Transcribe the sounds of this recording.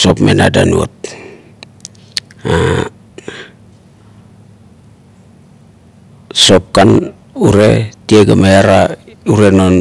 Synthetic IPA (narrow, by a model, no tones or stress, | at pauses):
so̞pmenadanuo̰t̚ | a | so̞p̚kan | uɾe̞tieɡamajaɾauɾe̞non